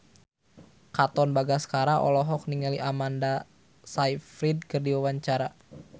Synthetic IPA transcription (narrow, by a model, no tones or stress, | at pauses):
kat̪ɔnbaɡasə̥kaɾaʔɔ̰lɔɦɔk̚niŋaliʔamanda | saifɾid̚kərdiwawaɲt͡ʃaɾa